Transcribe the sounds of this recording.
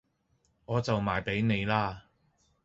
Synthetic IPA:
ŋɔː˨˧t͡sɐ˨wmaː˨jpe˨˥jne˨˧jlaː˥

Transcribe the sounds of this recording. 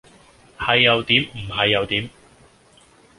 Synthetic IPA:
hɐ˨jːɐ˨˧wt̪iː˨˥mm̩˨˩ɦɐ˨jːɐ˨˧wt̪iː˨˥m

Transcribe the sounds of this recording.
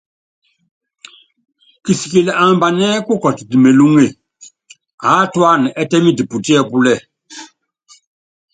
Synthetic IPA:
ki˨si˨ke˨lɛ˨ʔa˨mba˨nɛ˦ku˦kɔ˨ti˨di˨me˨lu˦ŋe˨ | a˨˦twa˦˨nɛ˨ʔɛ˦tɛ˦mi˦di˨pu˨ti˦ɛ˦pu˦lɛ˦˨

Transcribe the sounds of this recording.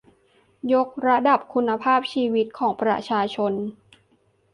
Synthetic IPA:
jo˦˥k̚ɾa˧da˨˩p̚kʰu˧nːa˧pʰaː˥˩p̚t͡ɕʰiː˧wi˦˥t̪̚kʰɔː˩˦ŋpɾa̰˧t͡ɕʰaː˧t͡ɕʰo˧n

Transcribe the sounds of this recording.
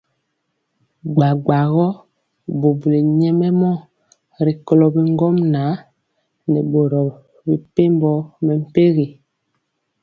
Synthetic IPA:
ɡ͡ba˨ɡ͡ba˨ɣɔ˦ | bo˨bu˨le˨ɲɛ˦mɛ˦mɔ˦ | ɾi˨kɔ˨lɔ˨bi˨ŋ˦ɡɔ˦mna˨˦ | nɛ˨bo˨ɾɔ˨ | bi˨pe˦mbɔ˦mɛ˨m̩˨pe˦ɣi˨

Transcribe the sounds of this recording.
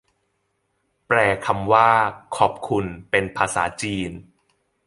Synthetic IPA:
pɾɛː˨˩kʰa˧mwaː˥˩kʰɔː˨˩p̚kʰu˧npe˧npʰaː˧saː˩˦t͡ɕiː˧n

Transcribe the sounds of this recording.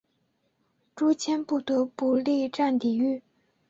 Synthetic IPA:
ʈ͡ʂu˥t͡ɕʰɛ˥npu˥˨t̪u˨pu˨li˥˨ʈ͡ʂa˥˨ŋt̪i˩˨y˥˨

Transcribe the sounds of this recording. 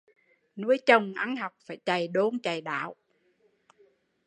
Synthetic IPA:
nu˧˥əjt͡ɕə˨˩wŋ͡mʔa˧nɦa˨˩wk͡p̚faː˧˩jt͡ɕa˨˩jɗo˧˦nt͡ɕa˨˩jɗa̰ː˧˨w

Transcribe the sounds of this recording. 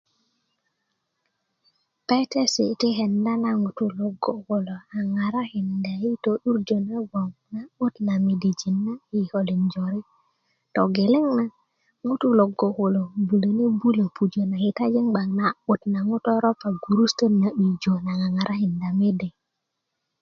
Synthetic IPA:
pa˦jte˦si˨ti˦ɦe˨nda˦na˨ŋu˨tu˦lo˨ɡo˨ho˨lo˨a˨ŋa˨ɾa˦hi˨nda˨ji˦to˨ɗu˦ɾd͡ʒo˨ne˦ɡ͡bo˨ŋna˨u˦tna˨mi˨di˨d͡ʒi˨nːa˦i˨ho˨li˨nd͡ʒo˨ɾi˦ | to˨ɡe˨le˦ŋna˦ | ŋu˦tu˦lo˨ɡo˨hu˨lo˨bu˨le˨ne˦bu˦le˨pu˨d͡ʒo˨na˨hi˨ta˦d͡ʒi˦ŋɡ͡ba˨ŋna˨u˨tna˨ŋu˦to˦ɾo˦pa˨ɡu˨ɾu˦sto˦na˨ʔi˨d͡ʒo˨na˨ŋa˨ŋa˨ɾʔa˦hi˨nda˨me˦de˨

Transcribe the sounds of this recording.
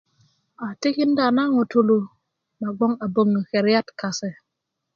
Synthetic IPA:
a˨ti˦ki˦nda˨na˦ŋo˨to˨lo˨ | ma˨ɡ͡bo˦ŋa˨bo˨ŋːə˨xe˨ɾja˦tka˨se˨

